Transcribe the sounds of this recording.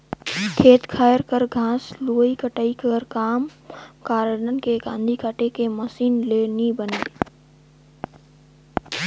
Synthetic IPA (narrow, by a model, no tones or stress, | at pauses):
kʰeːt̪kʰaːjəɾkəɾɡʱãːsloːikəʈaːikəɾkaːmkaːɾəɖənkeɡã̰ːnd̪ʱikaʈekeməsiːnleːnibəneː